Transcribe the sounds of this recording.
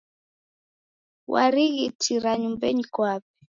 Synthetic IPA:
wʔa̰ɾiɣitʰiɾaɲumbɛɲikwapɛ̥

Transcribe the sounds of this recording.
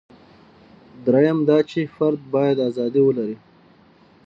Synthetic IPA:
d̪ɾajamd̪ɑt͡ʃefaɾd̪̚bɑːjad̪azɑːd̪iwəlaɾi

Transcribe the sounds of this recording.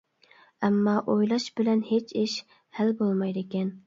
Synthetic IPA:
ɛmːɑʔojlˠɑʃbɪlɛnhet͡ʃʰɪʃ | hælbolˠmɑjd̪ɪkʲɛn

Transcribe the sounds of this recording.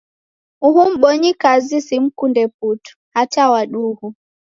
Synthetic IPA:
uhum̩ɓɔɲikazisim̩kundɛp̚utu̥hatawaɗuhu

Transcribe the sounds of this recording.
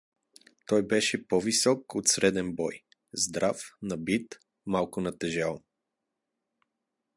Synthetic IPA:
t̪ɔjbɛʃɛpɔvisɔkot̪sɾɛd̪ɛnbɔj | zd̪ɾafnɐbit̪ | malˠkʊnɐt̪ɛʒalˠ

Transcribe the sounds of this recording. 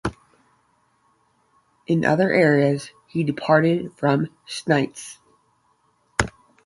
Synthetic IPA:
ʔɨ̃nʔʌ̰ðə˞ʔɛɹiɨz̥hidɨpʰɑɹɾɪd̥fɹʌ̃m | snaɪts

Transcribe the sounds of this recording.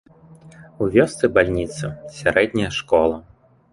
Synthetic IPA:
uvʲɔst̪sɨbalʲnʲit̪sɐsʲaɾɛd̪ʲnʲɐjɐʂkɔlˠɐ

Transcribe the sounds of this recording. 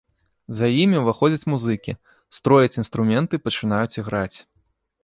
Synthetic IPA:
zajimʲiwvaxɔd͡zʲɐt͡sʲmuzɨkʲi | st̪ɾɔjɐt͡sʲin̪st̪ɾumʲɛnt̪ɨpɐt͡ʂɨn̪ajut͡sʲiɣɾat͡sʲ

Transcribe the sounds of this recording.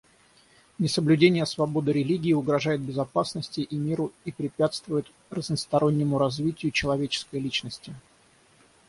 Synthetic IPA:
nʲɪsəblʲʉdʲenʲɪjəsvɐbo̞d̪ɨɾʲɪlʲiɡʲɪːʊɡɾɐʐajɪt̪̚bʲɪzɐpasnəsʲtʲɪʔimʲiɾʊipɾʲɪpʲat̪st̪vʊjɪt̪ | rəznəst̪ɐɾo̞nʲːɪmʊɾɐzvʲitʲɪjʊt͡ɕɪlˠɐvʲet͡ɕɪ̥skəjlʲit͡ɕnəsʲtʲɪ

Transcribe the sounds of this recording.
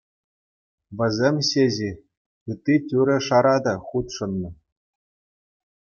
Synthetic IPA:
ʋʲɘ̆zʲemʲɕeʑi | ɯt̪ʲːitʲuɾʲɘ̆ʂɑɾɑd̪ɑχut̪ʂɤ̆nːɤ̆

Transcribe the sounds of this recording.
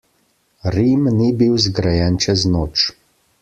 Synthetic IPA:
ɾimnibiwzɡɾajɛnt͡ʃɛznoːt͡ʃ

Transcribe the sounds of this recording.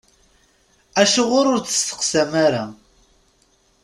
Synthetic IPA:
æʃʊʁʊɾʊɾt͡sə̥sθə̥qsæmaɾa

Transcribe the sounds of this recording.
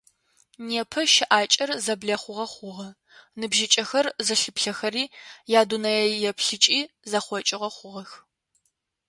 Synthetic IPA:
neːpʰɐʃɪʔaːt͡ʃʼɐrzɐbɮɐχʷʊʁɐχʷʊʁɐ | nɨbʒɪt͡ʃʼɐxɐrzɐɬɨpɬɐxɐɾiːjaːdunɐjɛjɛpʰɬɨt͡ʃʼiː | zɐχʷɔt͡ʃʼɪʁɐχʷʊʁɐx

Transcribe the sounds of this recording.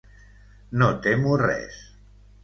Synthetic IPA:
not̪emurɛ̰s

